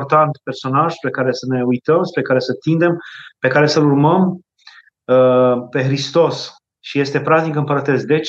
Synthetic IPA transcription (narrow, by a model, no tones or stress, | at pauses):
rt̪ant̪pe̞rso̞naʒ̥spɾe̞kaɾe̞səne̞ujt̪əmspɾe̞kaɾe̞sət̪ind̪e̞mpe̞kaɾe̞səlurməm | əpe̞xɾist̪o̞s | ʃije̞st̪e̞pɾaznikɨmpəɾət̪e̞sd̪e̞t͡ʃ